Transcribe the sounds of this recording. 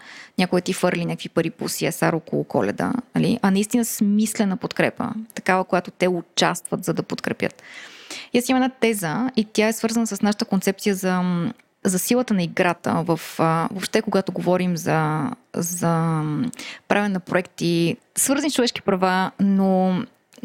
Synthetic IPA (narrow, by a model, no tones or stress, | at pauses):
nʲakoɛt̪ifɤɾlʲinʲɲʲakəkfvipəɾipṵsiɛsaɾokolˠʊ̰kɔ̰lɛ̰d̪ə̰nɐlḭʔɐnɐist̪inəsmislɛnɐpot̪kɾɛpə̰t̪ɐ̥kavəkojat̪ot̪ɛʊt͡ʃast̪vət̪zɐd̪ɐpot̪kɾɛpʲjə̰t̪ijasiməmɛd̪at̪ɛzəit̪ʲjaɛsvɤɾzənəsəsnaʃə̥t̪əkont̪sɛp̚t̪ijəzɐ | zɐsilˠət̪ənɐiɡɾat̪ə̰vəfvopʃt̪ɛkoɡat̪oɡovɔɾimzɐ | zɐ | pɾavʲənɛnɐpɾoɛkt̪i | svɤɾzənist͡ʃovɛʃk̟i̥pɾɐvano